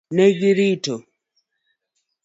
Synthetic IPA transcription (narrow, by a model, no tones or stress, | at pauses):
nɛɡiɾito